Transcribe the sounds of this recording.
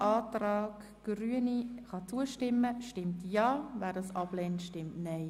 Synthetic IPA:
ʔɑːtrɑːɡ̥ | ɡ̥ryəniχɑt͡suəʃtɪmːəʃtɪmtjɑːvæːdɑsɑb̥lɛntʃtɪmtnɛɪ

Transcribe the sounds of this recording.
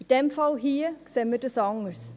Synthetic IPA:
id̥ɛmfɑlˠɦiːksɛmədəsɔŋəɹs

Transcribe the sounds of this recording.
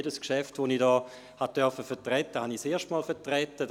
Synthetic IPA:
edəskʃɛftʋonidɔː | hatœɐfəfɛɐtʁɛtːəhɑniseːɐʃtmɔːlfɛtʁɛtːəd

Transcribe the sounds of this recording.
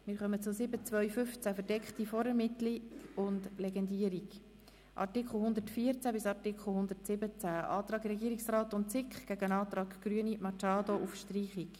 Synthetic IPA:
mɪːɾχœmət͡sʊsɪbət͡svœʏfʏft͡sæfəɾd̥ɛkχtifɔɾəɾmɪt̪liʊndlɛɡɛndiːəɾiɡ | ʔɑ̰rtikχl̩ˠhʊnd̪ətfiːəɾt͡sæbɪsɑrtɪkχl̩ˠhʊnd̪ətsɪbət͡sæʔɑːt̪rɑːɡɾɛɡiəɾiksrɑːtʊntt͡sɪkχɡ̥æɡəənɑːt̪ɾɑːkɡ̥ɾyənimɑt͡ʃɑːdoʔufʃtriːχik

